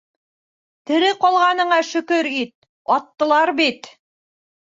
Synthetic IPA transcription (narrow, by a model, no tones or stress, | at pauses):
t̪ɘ̆ɾɘqɒlˠʁɑnɤ̆ɴɑʃɵ̆kɵɾit̪̚ | ɒt̪ːɤ̆lˠɑɾbit̪